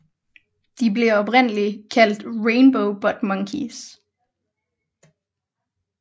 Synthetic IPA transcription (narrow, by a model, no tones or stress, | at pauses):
d̥ibleɐɒ̽b̥ʁen̰əlikʰæl̰d̥ʁeɪnb̥oʊb̥ɒd̥mɑŋkʰis